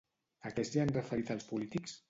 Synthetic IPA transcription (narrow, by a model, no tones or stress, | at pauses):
akɛst̪ianrəfəɾit̪alˠspulit̪iks